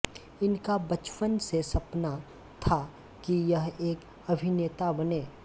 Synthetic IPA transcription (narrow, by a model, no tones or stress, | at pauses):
ɪnkabɐt͡ʃpənsesɐpna | t̪ʰa | kijɐɦeːk | ɐbʱɪneːt̪abɐneː